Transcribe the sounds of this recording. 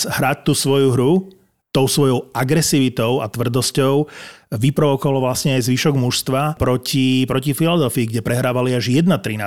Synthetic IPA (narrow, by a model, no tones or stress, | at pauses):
ɦɾac̚t̪usʋɔjuɦɾu | t̪ɔʊsʋɔjɔʊaɡɾɛsiːʋit̪ɔʊa̰t̪ʋr̩d̪ɔscɔʊʋipɾɔʋɔkɔʋalɔʋlasɲɛajzʋiːʃɔɡmuʃst̪ʋapɾɔcipɾɔcifilɔd̪ɛlfiːɡɟɛpɾɛɦɾaːʋaliaʒjɛd̪nat̪ɾina